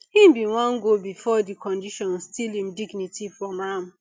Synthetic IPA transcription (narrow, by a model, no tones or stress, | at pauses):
hĩmbĩwãŋɡobifɔdikʰɔ̃ndiʃɔ̃nstilĩmdiɡnitifɹɔ̃mam